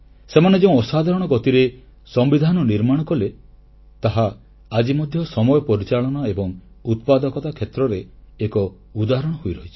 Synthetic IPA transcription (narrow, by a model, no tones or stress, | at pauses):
semaned͡ʒeũɔsad̪ʱaɾɔɽ̃ɔɡɔt̪iɾe | sɔmbid̪ʱanɔniɾmaɽ̃ɔkɔle | t̪aɦaː | d͡ʒimɔd̪ʱjɔsɔmɔjɔpɔɾit͡ʃaɭɔñɔebɔŋ | ut̪̚pad̪ɔkɔt̪akʰet̪ɾɔɾeːkɔ | ud̪aɾɔɽ̃ɔɦojɾɔɦit͡ʃʰi̥